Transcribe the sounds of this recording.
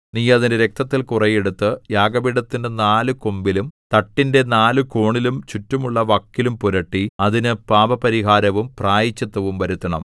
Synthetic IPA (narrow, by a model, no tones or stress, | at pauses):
nijɐðindeɾe̞k̚t̪ɐt̪ːilkurɐje̞ɽut̪ːɨjaːɡɐbiɽɐt̪ːindenaːlɨkombilumt̪ɐʈːinde̞naːlɨko̞ːɳilumt͡ɕutːumuɭːɐʋɐkːilumpuɾɐʈːiɐðinɨpaːbɐpɐɾiɦaːɾɐʋumpraːjit͡ɕːɐt̪ːɐʋumʋɐɾut̪ːɐɳɐ̰m